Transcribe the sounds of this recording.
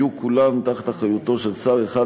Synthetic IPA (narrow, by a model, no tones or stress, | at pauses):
ukʰulamt̪aχat̪aχajut̪oʃelsaʁeχa